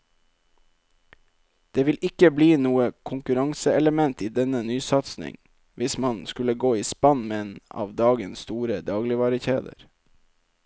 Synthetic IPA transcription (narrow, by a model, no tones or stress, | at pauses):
d̪̥eːʋɪlɪkəbliːnuːəkʰʊŋkʉɾɑŋsəɛləmɛnt̪iːd̪ɛnənyːsɑt̪snɪ̰ŋ | ʋɪsmɑnskʉləɡoːiːspɑnmeeːnɑ̰ːʋd̪ɑːɡənst̪uːɾəd̪ɑːɡlɪʋɑɾəçeːd̪ə̰ɾ